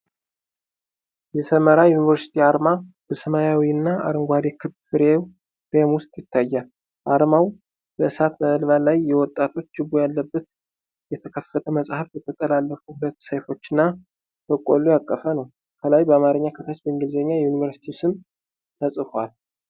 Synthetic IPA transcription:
jɛsəməɾajunivəɾsi̥t̪ʰiaɾma | b̥əsəmajawiɨnːaʔa̰ɾɨŋɡʷad̪ekʰɨbfɨɾew | ɾemwʊst̪ʼjɪt̪ʰːajːa | ʔaɾmaw | bəɨsat̪məəlβalajːɛwɔt̪ʼːat̪ʰo̞t͡ʃːɨbojalːəbːət̪ | jɛt̪ʰəkʰəfːət̪ʰəməsʼhafbɛt̪ʰət̪ʼəlalːəfuhulət̪ːsəjfo̞t͡ʃːɪnːa | t̪ʰəkʼolujakʼːəfənəw | kʰəlajbəamaɾɨɲːakʰət̪ʰət͡ʃbɨŋɡɨlzəɲːajɛjunivəɾsi̥t̪ʰisɨm | t̪ʰəsʼɨfal

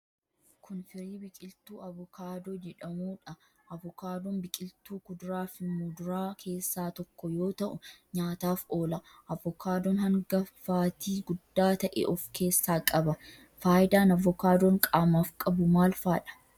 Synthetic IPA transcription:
kʰʊnfɪɾiːbɪkʼɪlt̪uːɐvʊkaːd̪oːd͡ʒɛᶑɐmuːᶑɐ | ɐvɔkaːd̪ɔnbɪkʼɪlt̪uːkʊd̪ɾaːfɪmud̪ʊɾaːkʰe̞ːsːaːt̪ɔkːɔjo̞ːt̪ɐʔʊɲaːt̪aːfo̞ːlɐ | ʔɐvːɔkaːd̪ɔnhɐŋɡɐfaːt̪iːɡʊd̪ːaːt̪ɐʔḛːʔɔfkʰe̞ːsːaːkʼɐbɐ | faːjɪd̪aːnɐvːɔkaːd̪ɔŋkʼaːmaːfkʼɐbʊmaːlfaːᶑɐ̥

